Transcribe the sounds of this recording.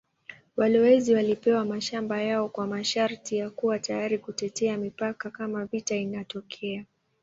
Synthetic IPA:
walɔwɛziwalipɛwamaʃambajaɔkwamaʃaɾtijakuwatajaɾikutɛtɛamipakakamavitainatɔkʰɛa

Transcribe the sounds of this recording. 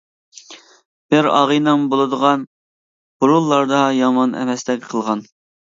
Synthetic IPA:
b̥ɪɾɑ̰ʁəjnɨŋbolˠɨd̪əʁɑn | b̥uɾulˠːɑɾd̪ɑjɑmɑnɛ̰mɛst̪ɛk̚ʲqʰəlˠʁɑn

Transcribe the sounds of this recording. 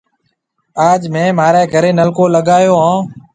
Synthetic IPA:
aːd͡ʒmẽːmaːɾeːkəɾeːnəlkoːləɠaːjoːɦãː

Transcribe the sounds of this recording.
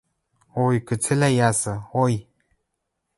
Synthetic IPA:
ojkət͡sʰelajasəoj

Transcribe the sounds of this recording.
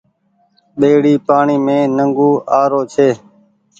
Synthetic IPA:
ɓeːɽiːpaːɳiːmẽːnəŋɡuːʔaːɾoːt͡ʃʰeː

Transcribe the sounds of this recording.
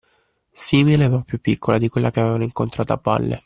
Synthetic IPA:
siːmilepɾɔpːjupːikːolad̪ikwelːakeavevanoiŋkont̪ɾaːt̪oa̰pːa̰lːʔḛ

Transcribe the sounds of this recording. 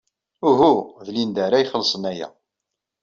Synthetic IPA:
uɦuðlind̪æɾajχəlsˤənæjæ̰

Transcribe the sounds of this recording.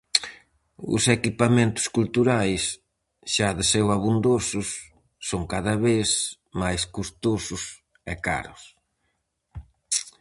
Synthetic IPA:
ʊ̰sekipamẽnt̪ʊ̥skult̪uɾajs | ʃaðɪsɛwaβund̪osʊsː | oŋkaðɐβes | majskust̪osʊs | ɛka̰ɾʊs

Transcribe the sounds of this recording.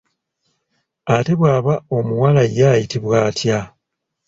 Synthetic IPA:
ate̞βwaːβao̞muwalajaːjitiβwaːtʰja

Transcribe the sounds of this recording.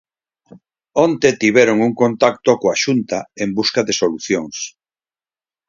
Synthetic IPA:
ont̪et̪iβɛɾoŋuŋkont̪ak̚t̪okoaʃunt̪aembuskaðesoluθjoŋs

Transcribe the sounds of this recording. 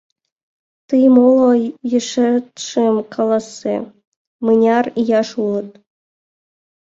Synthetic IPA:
t̪ɨjmolˠojəʃet̪ʃemkɑlˠɑsːḛ | mɨnʲɑrijɑʃulɤ̆t̪̚

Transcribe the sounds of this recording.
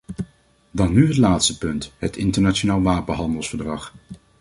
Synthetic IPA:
dɑnːyɦətlaːtstəpɵntɦətɪntəɹnat͡ʃonaːlˠʋaːpənɦɑndəlˠsfəɹdrɑχ

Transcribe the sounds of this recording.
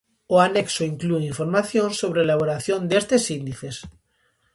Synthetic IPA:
oaneksoiŋklueiɱfoɾmaθjõnsoβɾeelaβ̞oɾaθjond̪est̪esind̪iθes

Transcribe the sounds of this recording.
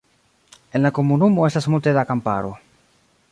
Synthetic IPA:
enlakomunumoɛst̪asmot̪eðakampa̰ɾu

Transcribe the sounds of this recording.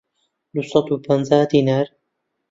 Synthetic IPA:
d̪usɑt̪upʰənzaːd̪iːnaɾ

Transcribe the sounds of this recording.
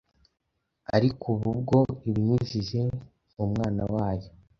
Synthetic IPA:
a̰ɾikʰuβubɡo̞iβɲizize̞ | mumŋaːna̰waːjo

